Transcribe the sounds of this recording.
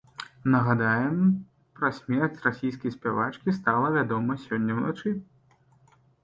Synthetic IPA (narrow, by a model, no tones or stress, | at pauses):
nɐɣad̪ajɛm | pɾɐsʲmʲɛrt͡sʲrasʲijs̬kʲɐjsʲpʲɛvat͡ʂkʲist̪alˠɐvʲad̪ɔmɐsʲɔnʲːɐwna̰t͡ʂɨ